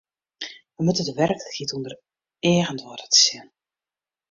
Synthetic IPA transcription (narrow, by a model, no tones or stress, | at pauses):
ʋəmutədəʋɛrkxitundər | eːɣəntʋɔːrətə̥sɪn